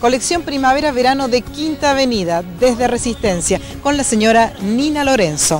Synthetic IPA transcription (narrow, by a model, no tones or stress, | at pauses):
ko̞leksjo̞mpɾimaβeɾaβeɾano̞ðekint̪aːβeniðaðezðeresist̪ensja | ko̞nlaseɲoɾaninalo̞ɾenso